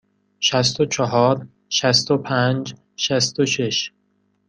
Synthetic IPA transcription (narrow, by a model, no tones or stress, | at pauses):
ʃæst̪ot͡ʃʰɒɦɒːɾ | ʃæst̪opʰænd͡ʒ | ʃæst̪oʃeʃ